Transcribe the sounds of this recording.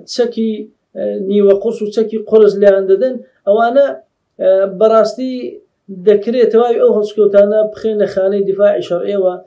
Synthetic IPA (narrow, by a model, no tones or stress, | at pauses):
t͡ʃʰɐki | niːwɐqʊɾsut͡ʃɐkiːqʊɾɨslɐjand̪ɐd̪ɨn | ʔɐwaːnɐ | bɐrˤɑːst̪i | d̪ɐkɾet̪ʰɐwaːwiʔɐwɦɐlˠʃkɐwt̪aːnɐpɨ̥xenɐxaːnɐjd̪ɪfaːʕiʃɐɾʔeːwɐ